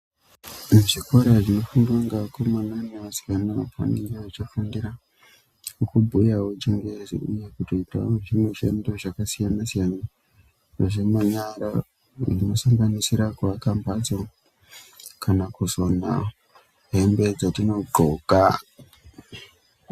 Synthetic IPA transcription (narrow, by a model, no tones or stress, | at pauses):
ʐiko̞ɾaʐino̞fuŋdwaŋɡakomananeasi̥kanapa̰niaat͡ʃifandiɾa | ukubʱujaut͡ʃiŋɡezḭujekutoita̰oʐimweʃḛndoʐakasijanasijana | aʐemaɲaɾa | ino̞samɡanisiɾakuakampad͡zo | kanakuzona̰ | ɦe̞mbe̞d͡zatino̞ɡoɡa